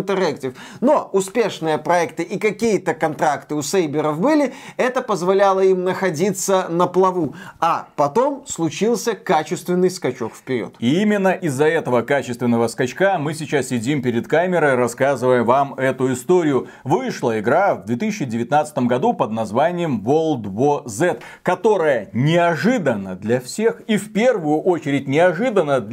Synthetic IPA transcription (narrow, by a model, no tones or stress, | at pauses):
t̪ɨrɛktʲɪfno̞ʊspʲe̞ʂnɨjəpɾɐɛkt̪ɨʔikɐkʲijət̪əkɐnt̪ɾakt̪ɨʊsejbʲɪɾəfbɨlʲɪɛt̪əpəzvɐlʲalˠəimnəxɐdʲit̪sənəplˠɐvuapɐt̪o̞mslˠʊt͡ɕilˠsʲəkat͡ɕɪst̪vʲɪnːɨjskɐt͡ɕo̞̰kfʲpʲɪɾʲo̰t̪iimʲɪnːəʔɪzːɐɛt̪əvəkat͡ɕɪ̥st̪vʲɪnːəvəskɐt͡ɕkamɨsʲɪt͡ɕassʲɪdʲimpʲɪɾʲɪt̪kamʲɪɾəjɾɐskazɨvəjəvamɛt̪ʊɪst̪o̞ɾʲɪjʊ | vɨʂlˠəɪɡɾavd̪vʲet̪ɨsʲɪɕːɪdʲɪvʲɪt̪nat̪sə̥t̪əmɡɐd̪upəd̪̚nɐzvanʲɪjəmvolˠd̪vozɛt̪ | kɐt̪o̞ɾəjənʲɪɐʐɨd̪ənːəd̪lʲɐfsʲe̞xifʲpʲervʊjʊʔo̞t͡ɕɪɾʲɪt̚ʲnʲɪɐʐɨd̪ənːə